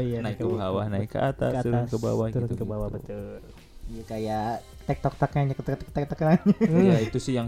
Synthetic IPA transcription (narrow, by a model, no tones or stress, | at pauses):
janaikkəbɦawahnaɪkːə̰ʔat̪att̪uɾʊnkəba̰wahɡt̪uɾʊt̪nkəbawahbət̪ul | jakaja | t̪ɛk̚t̪ɔk̚t̪akaɲakt̪kt̪ɔkt̪ak̚t̪akənaɲaait̪usɪhjaŋ